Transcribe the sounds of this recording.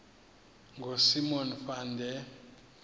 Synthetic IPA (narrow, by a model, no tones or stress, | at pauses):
ŋɡʱosimɔnfandʱɛ